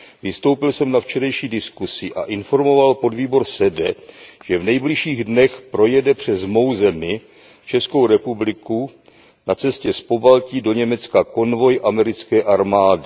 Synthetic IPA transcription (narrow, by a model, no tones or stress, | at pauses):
vɪst̪o̞wpɪlsɛmnaft͡ʃɛɾɛjʃiːdɪskusɪʔa̰ʔɪnfo̞ɾmo̞valpo̞dviːbo̞ɾsɛdɛʒ̥ɛvnɛjblɪʃiːɣdnɛxpɾo̞jɛdɛpr̝̥ɛzmo̞wzɛmɪ | t͡ʃɛsko̞wɾɛpublɪku | nat͡sɛscɛspo̞balciːdo̞ɲɛmɛt͡skako̞nvo̞jʔamɛɾɪt͡skɛːʔaɾmaːdɪ